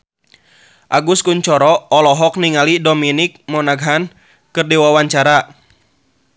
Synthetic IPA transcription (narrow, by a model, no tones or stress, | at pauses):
ʔaɡuskuɲt͡ʃɔɾɔɔlɔɦɔk̚niŋalidɔminik̚mɔnaɡɦan | kɨrdiwawaɲt͡ʃaɾa